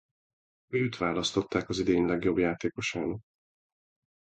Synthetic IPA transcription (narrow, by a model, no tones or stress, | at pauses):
øːt̪ʋaːlɒst̪o̞t̪ːaːkɒzid̪eːɲlɛɡjo̞bjaːt̪eːko̞ʃaːn